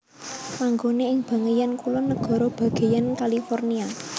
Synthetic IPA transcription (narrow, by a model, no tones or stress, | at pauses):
maŋɡoneɪŋb̥a̤ŋəjankulɔnəɡ̥ɔ̤ɾɔb̥ä̤ɡ̥e̤jankalifɔrnia